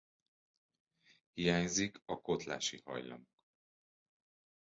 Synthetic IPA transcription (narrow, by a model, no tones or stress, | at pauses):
hijaːɲzikɒko̞t̪la̰ːʃihɒ̰jlɒ̰mok